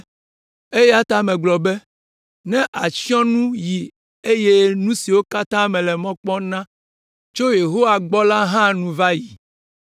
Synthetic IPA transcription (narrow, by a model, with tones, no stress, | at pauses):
e˦jɛ˦a˦t̪a˦mɛ̃˨ɡ͡blɔ˨bɛ˦ | nɛ̃˦ʔa˨si˦ɔ̃˦nũ˦ji˨ | e˦je˦nũ˦si˨wo˦ka˦t̪ã˦mɛ̃˨lɛ˨mɔ̃˦k͡pɔ˦nã˦ | t͡ʃo˦je˨ɦo˦wa˨ɡ͡bɔ˦la˦ɦã˦nũ˨va˦ji˨